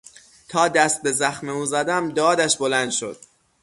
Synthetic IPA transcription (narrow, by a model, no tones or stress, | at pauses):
t̪ʰɒːd̪æst̪̚be̞zæxmeuːzæd̪æmd̪ɒːd̪æʃbolænd̪̥ʃo̰d̪̥